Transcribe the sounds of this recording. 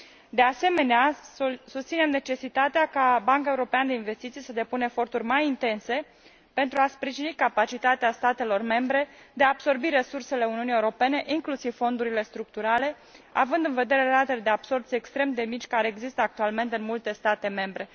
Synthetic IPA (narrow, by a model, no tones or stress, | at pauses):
d̪e̞ase̞me̞neasust̪sinemne̞t͡ʃe̞sit̪at̪eakabaŋkaeuɾo̞peanəd̪e̞inve̞st̪it̪sijsəd̪e̞punəefo̞rt̪urʲmajint̪e̞nse̞ | pe̞nt̪ɾuaspɾiʒinikapat͡ʃit̪at̪east̪at̪e̞lo̞rme̞mbɾe̞d̪eaːbso̞rbiɾe̞surse̞le̞uniunije̞uɾo̞pe̞ne̞ʔiŋklusiv̥fo̞nd̪uɾile̞st̪ɾuk̚t̪uɾale̞ | avɨnd̪ɨnve̞d̪e̞ɾe̞ɾat̪eled̪e̞ab̥so̞rt̪sʲe̞kst̪ɾe̞md̪e̞mit͡ʃʲkaɾe̞ːɡzist̪əak̚t̪ualme̞nt̪eɨnmult̪e̞st̪at̪e̞me̞mbɾe̞